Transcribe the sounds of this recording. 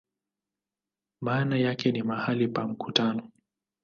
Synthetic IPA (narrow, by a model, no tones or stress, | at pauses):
maːnajakɛnimahalipam̩kutanɔ